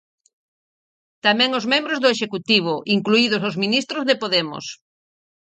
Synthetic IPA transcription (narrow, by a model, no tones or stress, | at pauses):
t̪amɛ̃ŋozmẽmbɾozðʊeʃekut̪iβ̞ʊʔiŋkluið̞ʊsozminist̪ɾozðepoðemʊ̰s